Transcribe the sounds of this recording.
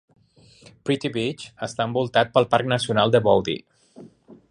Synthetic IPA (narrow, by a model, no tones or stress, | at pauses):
pɾit̪iβit͡ʃəst̪aəmbulˠt̪at̪̚pəlˠpaɾk̚nəsiunalˠd̪əβɔwd̪ḭ